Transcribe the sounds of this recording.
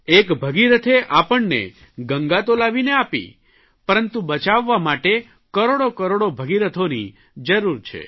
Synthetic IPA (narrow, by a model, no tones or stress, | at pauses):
ekbʱəɡiɾət̪ʰeʔapəɳnḛ | ɡəŋɡat̪olaʋineapḭ | pəɾənt̪ũbət͡ʃaʋːamaʈe | kəɾoɽokəɾoɽobʱəɡiɾət̪ʰoni | d͡ʒəɾuɾt͡ʃʰḛ